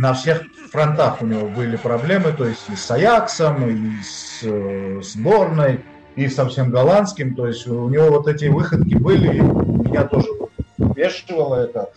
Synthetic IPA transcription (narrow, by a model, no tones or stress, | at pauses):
nɐfsʲe̞x | fɾɐnt̪axʊnʲɪvo̞bɨlʲɪpɾɐblʲe̞mɨt̪o̞jɪsʲtʲisɐjaksəmis | zbo̞rnəj | isɐfsʲe̞mɡɐlˠanskʲɪmt̪o̞jɪsʲtʲunʲɪvo̞vot̪ɛtʲɪvɨxət̪kʲɪbɨlʲɪmʲɪnʲat̪o̞ʐɨvʲeʂɨvəlˠəɛt̪ə